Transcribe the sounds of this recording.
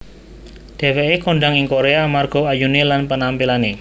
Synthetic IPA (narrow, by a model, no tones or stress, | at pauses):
d̥e̤weekoɳɖaŋɪŋkoɾeamarɡ̥o̤ajunelanpənampilane